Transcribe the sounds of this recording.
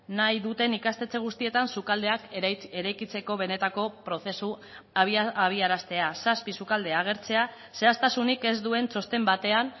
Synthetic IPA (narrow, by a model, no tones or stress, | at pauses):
najðut̪e̞nikast̪e̞t͡se̞ɣ̞ust̪ie̞t̪ansukald̪e̞akeɾajkit͡se̞ko̞β̞e̞ne̞t̪ako̞pɾo̞θesu | aβiaɾast̪e̞asaspisukald̪e̞aɣ̞e̞ɾt͡se̞a | se̞ast̪asunike̞zd̪ue̞nt͡so̞st̪e̞mbat̪e̞an